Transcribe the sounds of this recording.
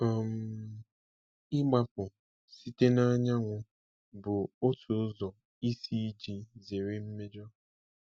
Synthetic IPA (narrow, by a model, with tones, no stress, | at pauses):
ɔ˨m̩˨ | ɪ˦ɡ͡ba˦pʊ˨ | si˦te˦na˦ɲa˦ŋʷʊ˦ | bʊ˨o˦tʰʊ˨˦zɔ˨ | i˦si˦d͡ʒi˨ze˨ɾe˦m̩˦me˦d͡ʒɔ˦